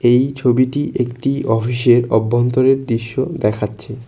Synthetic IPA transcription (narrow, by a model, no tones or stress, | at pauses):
ejt͡ɕʰobiʈiʔekʈiɔfiʃeɾɔbːont̪oɾeɾd̪ɾiʃːod̪ɛkʰatːɕʰe